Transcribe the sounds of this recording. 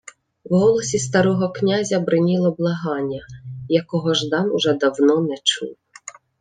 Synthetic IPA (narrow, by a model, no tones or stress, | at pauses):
wɦɔlˠɔsʲist̪ɐɾɔɦɔknʲazʲɐbɾɪnʲilˠɔblˠɐɦɑnʲːɐjɐkɔɦɔʒd̪ɑnʊʒɛd̪ɐwnɔnɛt͡ʃṵw